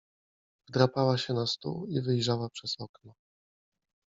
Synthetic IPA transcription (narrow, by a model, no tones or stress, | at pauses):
vd̪ɾapawaɕɛnast̪ṵivɘjʐawapʂɛz̥ɔknɔ